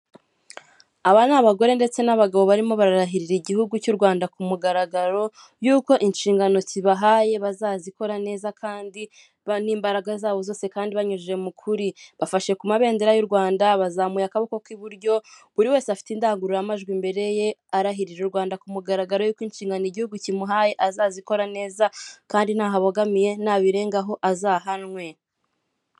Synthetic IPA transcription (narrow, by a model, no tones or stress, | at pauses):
aβanaβaɡo̞ɾe̞nde̞t͡se̞naβaɡaβo̞βaɾimo̞βaɾaɾaɦiɾiɾiɟihuɡucuɾɡwaːndakumuɡaɾaɡaɾo̞ | juːko̞ʔinʃiːŋɡano̞t͡siβaɦaːje̞βazaːziko̞ɾane̞ːzakʰaːndi | niːmbaɾaɡazaːβo̞zo̞ːse̞kaːndiβaɲuʒe̞mukʰuɾiβafaʃe̞kumaβe̞ːnde̞ɾajuɾɡwaːndaβazamujakaβokokwiβuɾɟo̞βuɾiwe̞ːseafi̥tiːndaːŋɡuɾojamaʒɡwimbe̞ɾe̞je̞aɾaɦiɾiɾuɾɡwaːndakumuɡaɾaɡaɾo̞juːkwinʃiːŋɡanoiɟihuɡucimuɦaːje̞ʔazaːziko̞ɾane̞ːzakaːndin̥aːɦaβoɡamije̞n̥aβiɾe̞ːŋɡaɦo̞ʔazaɦanŋwe̞